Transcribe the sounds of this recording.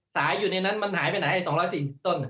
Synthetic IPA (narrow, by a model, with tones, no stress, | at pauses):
saː˩˦juː˨˩na˧jna˦˥nma˧nhaː˩˦jpa˧jnaː˨˩˦ʔa˧˩jsɔː˩˦ŋɾɔː˦˥jsiː˨˩i˨˩t̪o˧˩n˩